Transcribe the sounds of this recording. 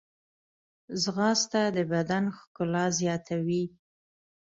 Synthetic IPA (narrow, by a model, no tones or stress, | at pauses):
zɣɑst̪ad̪əbad̪anxkʊlɑzjɑt̪ʰawi